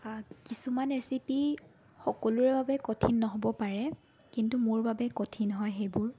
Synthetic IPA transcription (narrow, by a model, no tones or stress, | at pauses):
kisumanesipi | xɔkɔlʊɹɛbabɛkɔtʰinːɔɦɔbɔpaɹɛ | kintumʊɹbabɛkɔtʰinɦɔjxejbʊɹ